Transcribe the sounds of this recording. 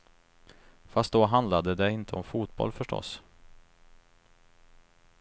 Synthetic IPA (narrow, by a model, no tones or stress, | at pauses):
fast̪̚d̪oɦand̪lad̪əd̪ɛɪnt̪ʰəɔmfuːt̪̚bɔ̰lfœʂʈɔ̰s